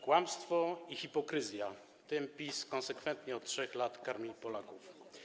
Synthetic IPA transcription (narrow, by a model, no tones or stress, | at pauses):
kwamst̪fɔixʲipɔkɾɘzʲja | t̪ɘmpʲiskɔnsɛkfɛnt̪ɲɛɔt̪tʂɛxlat̪kaɾmʲipɔlakuf